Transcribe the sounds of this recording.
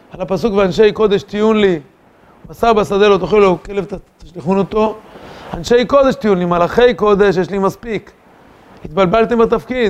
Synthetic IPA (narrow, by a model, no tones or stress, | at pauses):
alapasukveanʃe̞jko̞d̪e̞ʃt̪ijunli | basaʁbasad̪elot̪oχilokele̞vt̪t̪aʃliχunot̪o̞anʃe̞jko̞d̪e̞ʃt̪ijunlimalaχe̞jko̞d̪e̞ʃjeʃlimaspik | it̪balbalt̪embet̪afkid̪